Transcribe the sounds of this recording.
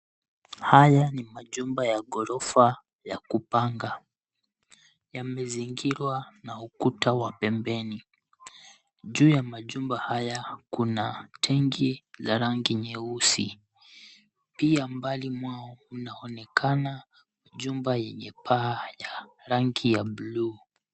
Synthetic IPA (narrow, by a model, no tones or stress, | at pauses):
hajanimaʄumbajaɡɔɾɔfa | jakupaŋɡa | jamɛziŋɡiɾwanaukutawapɛmbɛni | ʄuːjamaʄumbahajakunatʰɛŋɡizaɾaŋɡiɲɛusi | piambalimwaɔunaɔnɛkʰana | maʄumbajɛɲɛpʰaːjaɾaŋɡijabuluː